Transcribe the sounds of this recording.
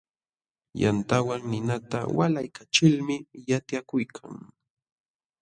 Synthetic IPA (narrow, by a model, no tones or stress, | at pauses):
ja̰nt̪awaŋnɪnat̪a̰wa̰lajkat͡ʃɪlmɪjat̪jakʊjkʰaŋ